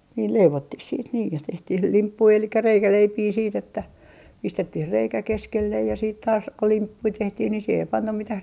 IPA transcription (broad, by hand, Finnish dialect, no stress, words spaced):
niːl leiʋotːih siːt niːj jɑ tehtih limpːui elikːæ reikæleipiː siːt etːæ pistetːih reikæ keskelːej jɑ siːt tɑːs ko limpːui tehtih ni siːhe ei pɑnːɑm mitæh